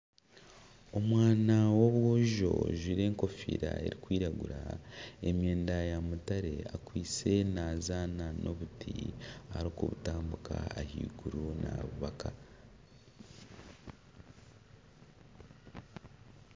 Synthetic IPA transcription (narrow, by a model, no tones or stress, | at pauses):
o̞mwaːnawo̞βwuʒo̞̰ʒwiɾe̞ːŋko̞fḭːɾa̰e̞̰ɾikwiːɾaɡuɾae̞mje̞ːndajamutaɾe̞akwiːt͡se̞naːzaːnanʔo̞βutʰiaɾokuβutaːmbuka̰ːhḭːɡuɾunaβuβaka